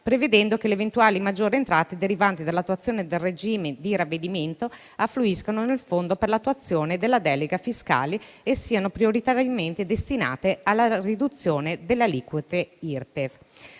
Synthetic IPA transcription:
pɾeved̪ɛnd̪okeleːvent̪uaːlimad͡ʒːoːɾeent̪ɾaːt̪ed̪eɾivant̪id̪alːat̪ːwat̪sːjoːned̪elred͡ʒiːmed̪iɾavːed̪iment̪o | afːluiskanonelfond̪operlat̪ːuat̪sːjoːned̪elːad̪ɛːleɡafiska̰ːleesːiːanopɾioɾit̪aɾjament̪ed̪est̪ina̰ːt̪ealːarid̪ut̪sːjoːned̪elːaliːkwut̪eirpev

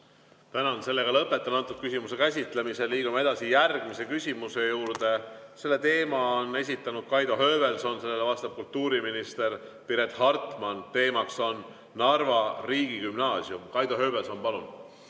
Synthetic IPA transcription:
t̪ænɑnse̞lːe̞ɡ̥ɑlɤpːˑe̞t̪ːˑɑnɑnt̪ːˑud̪̚kysʲimuse̞kæsʲit̪ˑle̞miselːiːɡ̥umɑe̞d̪ɑsijærɡ̥mise̞kysʲimuse̞juːɾd̪e̞se̞lːe̞t̪e̞ːmɑonːe̞s̬ʲit̪ːˑɑnud̪̥̚kɑjd̪̥oɦø̞ːbe̞lso̞nse̞lːe̞levɑst̪ɑb̥̚kult̪ːuːɾiminist̪e̞ɾpiɾe̞t̪ˑhɑrt̪ˑmɑnt̪e̞ːmɑkso̞nː | ɑrvɑriːɡikymnɑːsjumkɑjd̪̥oɦø̞ːbe̞lso̞npɑlun̥

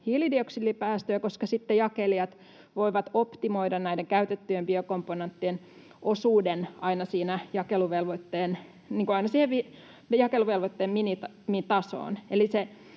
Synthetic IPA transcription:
hilidioksilːipæːst̪øækoskɑsit̪ːejɑkeliɑt̪ | ʋoiʋɑt̪opt̪imoidɑnnæideŋkæyt̪et̪ːyjembiokompːonent̪ːien | ʔosuːdenɑinɑsiːnæjɑkeluʋelʋot̪ːeːn | niːŋkuɑinɑsiːheʋʋi | jɑkeluʋelʋot̪ːeːminit̪ɑ | mit̪ɑso̰ːnelise

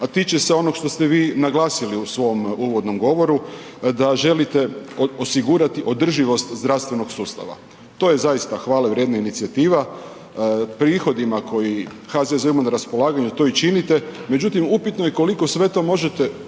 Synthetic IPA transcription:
at̪it͡ʃeseo̞noɡʃt̪o̞st̪eʋiːnaɡlˠaːsiliusʋo̞muːʋo̞d̪no̞mɡo̞ʋo̞ɾu | d̪aʒe̞lit̪e̞o̞siɡuːɾat̪iʔo̞d̪r̩ʒiʋo̞st̪zd̪ɾaʋst̪ʋe̞no̞ɡsuːst̪a̰ʋa̰ | t̪o̞je̞zajist̪axʋaːleʋɾje̞d̪nainit̪siat̪iːʋa | pɾiːxo̞d̪imakʰo̞ji | xazezimonaɾaspo̞laːɡaɲut̪o̞it͡ʃinit̪e̞me̞d͡ʑut̪imupit̪noje̞ko̞liko̞sʋe̞t̪o̞ːmo̞ʒe̞t̪e̞

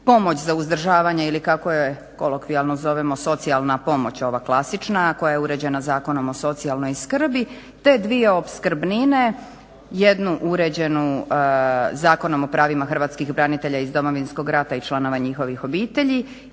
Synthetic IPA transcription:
po̞mo̞t͡ɕzauzd̪r̩ʒaːʋaɲe̞ilikako̞jee | ko̞̰lokʋialˠnozo̞ʋemo̞so̞t̪sialˠnapo̞mo̞t͡ɕo̞ʋaklˠasit͡ʃnako̞jajeuɾe̞d͡ʑe̞nazaːko̞no̞mo̞so̞t̪sialˠno̞jskr̩bi | t̪e̞d̪ʋieopskr̩bnine̞ | je̞d̪nuʔuɾed͡ʑe̞nu | zaːko̞no̞mo̞pɾaːʋimaxr̩ʋaːt̪skixbɾanit̪e̞ʎaizd̪o̞mo̞ʋinsko̞ɡɾat̪ait͡ʃlˠano̞ʋaɲixo̞ʋixo̞biːt̪e̞ʎi

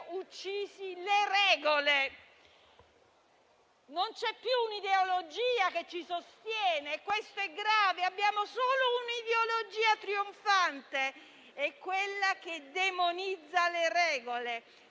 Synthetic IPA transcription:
ut͡ʃːiːzileɾɛːɡole | nont͡ʃɛpːjuːnid̪eolod͡ʒiːaket͡ʃːisost̪jɛːnekwest̪oɛɡɾaːveabːjaːmosoːlounid̪eolod͡ʒiːat̪ɾioɱfant̪e | ɛkːwelːak̟ed̪emonid̪zːaleɾɛːɡole

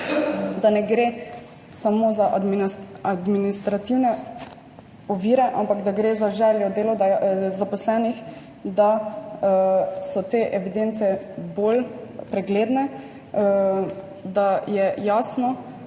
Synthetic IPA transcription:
d̪anɛɡɾe | samozaʔad̪miad̪minist̪ɾat̪iwnɛ | ɔʋiːɾɛʔa̰mpakd̪aɡɾeːzaʒɛːljɔd̪eːlɔd̪azapɔslɛːnix | d̪a | sɔt̪eʔɛʋid̪ent̪sɛbolpɾɛɡleːd̪nɛ | d̪ajɛjaːsnɔ

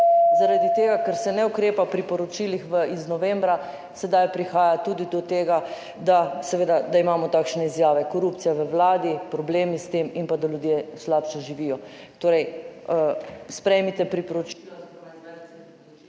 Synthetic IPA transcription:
zaɾad̪it̪eːɡakəɾsɛnɛukɾeːpapɾipɔɾɔt͡ʃilixʋəiznɔʋembɾa | sɛd̪ajpɾixaːjat̪uːd̪id̪ɔt̪eːɡa | d̪asɛʋeːd̪ad̪aimaːmɔt̪aːkʃnɛizjaːʋɛkoɾuːp̚t̪sijaʋəʋlaːd̪ipɾɔbleːmist̪eːminpad̪aljud̪jeːslaːpʃɛʒiʋiːjɔt̪oːɾɛj | spɾɛjmit̪ɛpɾipɔɾɔt͡ʃ

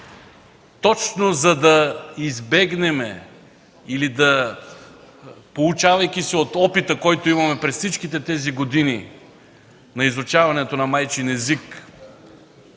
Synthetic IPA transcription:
t̪ɔt͡ʃnozɐd̪ɐizbɛɡnɛmɛ | ilid̪ɐ | polˠut͡ʃavɐjkʲisiot̪ɔpit̪əkɔjt̪oimɐmɛpɾɛssit͡ʃkit̪ɛt̪ɛziɡod̪ini | nɐizot͡ʃavɐnɛt̪onɐmajt͡ʃinɛzik

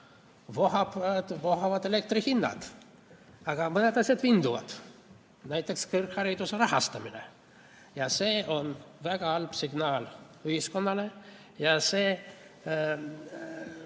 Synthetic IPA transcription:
vohɑt̪voɦɑvɑd̪elek̚t̪rihinːɑ̰d̪̥ | ɑɡ̥ɑmɤne̞d̪ɑsʲjɑd̪vind̪uvɑ̰d̪̥ | næjt̪ːˑe̞kskirkhɑɾid̪̥useɾɑhɑst̪ɑminḛ | jɑseːo̞nvæɡ̥ɑɑlb̥siɡ̥nɑːl | yhisko̞nːɑle | jɑseː

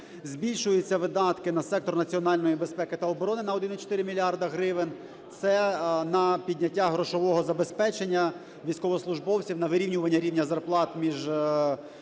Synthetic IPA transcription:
zʲbʲilʲʃʊjʊt͡sʲːɐʋɪd̪ɑt̪kɪnɐsɛk̚t̪ɔrnɐt͡sʲiɔnɑlʲnɔjibe̞spɛkɪt̪ɐɔbɔɾɔnɪnɐɔd̪ɪnɔt͡ʃɔ̥t̪ɪɾɪmʲilʲiɑrd̪ɐɦɾɪʋɪn | t̪sɛnɐpʲidʲnʲɐtʲːaɦɾɔʃɔʋɔɦɔzɐbespɛt͡ʃenʲːɐ | ʋʲijsʲkɔʋɔslˠʊʒbɔwt͡sʲiwnɐʋɪɾʲiwnʲʊʋɐnʲːɐɾʲiwnʲɐzɐrplˠɑt̪mʲiʒ

